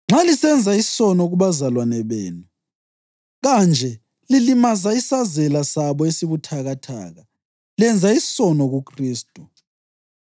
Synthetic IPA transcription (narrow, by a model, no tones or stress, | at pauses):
ŋ͡ǁalisɛnd͡zʱaissɔnɔɣuβazalwanɛβeːnu | ɣand͡ʒʱɛ | lilimazaisazɛlasaβɔesiβutʰaɣatʰa̰ːɣa | lɛnd͡zʱaissɔnɔɣukʰriːstʼu